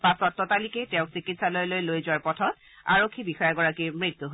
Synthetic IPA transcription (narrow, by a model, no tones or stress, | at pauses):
pasɔtːɔtalikɛtɛ̃ʊ̃ksikitsalɔjlojlojzʊaɹpɔtʰɔt | a̰ɹokʰːibixɔjaɡɔɹakimɹit̪ːuɦo